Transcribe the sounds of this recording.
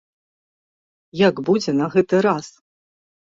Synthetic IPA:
jaɡbud͡zʲɛnɐɣɛt̪ɨɾas

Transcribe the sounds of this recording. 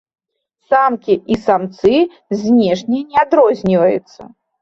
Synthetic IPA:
samkʲiʔisamt̪sɨ | zʲnʲɛʂnʲɛnʲɛad̪ɾɔzʲnʲivɐjṵt̪sːɐ̰

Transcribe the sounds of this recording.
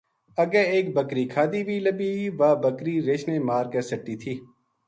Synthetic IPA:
əɡɛːeːk̚bəkɾiːkʰaːd̪iːbʱiːləbiːʋaːbəkɾiːɾeːʃneːmaːɾkɛːsəʈːiːt̪ʰiː

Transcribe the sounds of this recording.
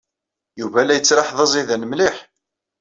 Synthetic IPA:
juvælæjət͡sːɾɑħðˤɑzˤiðænəmliħ

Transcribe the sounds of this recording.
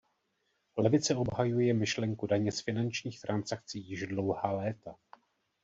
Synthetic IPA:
lɛvɪt͡sɛo̞bɦajujɛmɪʃlɛŋkudaɲɛsfɪnant͡ʃɲiːxt̪ɾansak̚t͡siːjɪʒdlo̞whaːlɛːt̪a

